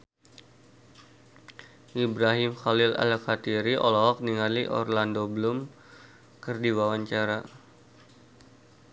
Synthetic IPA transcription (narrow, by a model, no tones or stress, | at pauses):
ʔibɾaɦɪmxalɪla̰lkat̪iɾiʔɔlɔɦɔk̚niŋaliʔɔ̰rlandoblʊm | kərdiwawaɲt͡ʃaɾa